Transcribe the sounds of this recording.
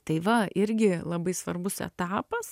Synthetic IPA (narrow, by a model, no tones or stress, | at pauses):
t̪ɐɪʋɐɪɾʲɡʲɪlˠɐbɐɪsʋɐrbʊsɛ̰t̪ɑːpɐs